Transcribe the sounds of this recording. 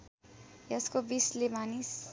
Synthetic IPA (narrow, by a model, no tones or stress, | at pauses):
jʌskobislemanis